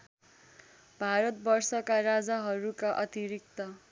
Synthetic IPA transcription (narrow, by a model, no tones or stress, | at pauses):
bʱaɾʌt̪̚bʌrsʌkaɾad͡zaɦʌɾukaʔʌt̪iɾik̚t̪ʌ